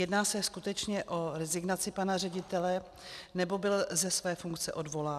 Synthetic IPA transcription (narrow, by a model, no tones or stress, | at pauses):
jɛdnaːsɛskut̪ɛt͡ʃɲɛʔo̞ɾɛzɪɡnat͡sɪpanarɛɟɪt̪ɛlɛ | nɛbo̞bɪlzɛsvɛːfuŋkt͡sɛʔo̞dvo̞laː